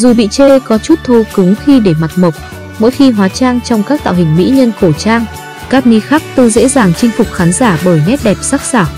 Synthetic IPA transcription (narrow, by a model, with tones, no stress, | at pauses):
zu˨˩ɓḭ˧˨t͡ɕe˧kɔ˨˦t͡ɕu˦˥t̚t̪ʰə˧wkɨ˨˦ŋxi˧ɗe˧˩ma˨˩t̚mə˨˩wk͡p̚ | mo̰˧˥jxi˧ɦwaː˨˦t͡ɕaː˧ŋt͡ɕɔ˧wŋ͡mkaː˦˥k̚t̪a̰ː˧˨whï˨˩ŋ̟mḭ˧˥ɲə˧nko˧˩t͡ɕaː˧ŋ | kaː˦˥k̚ni˨˧˦xaː˦˥k̚t̪ɨ˧zḛ˧˥zaː˧˨˩ŋt͡ɕï˧ŋ̟fʊ˨˩k͡p̚xaː˨˦nzaː˧˩ɓəː˧˩jŋɛ˦˥t̚ɗɛ˨˩p̚saː˦˥k̚saː˧˩w